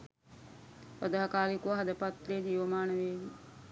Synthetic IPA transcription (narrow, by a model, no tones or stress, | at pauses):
pɾəd̪əɦɐkaːɾikuʋɐɦɐd̪ɐpɐt̪leːd̪iːʋɐmaːnəʋeːʋi